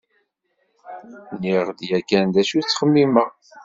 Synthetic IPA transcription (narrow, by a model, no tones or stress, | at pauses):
niʁd̪jækːænd̪æʃut͡sːχəmːiməʁ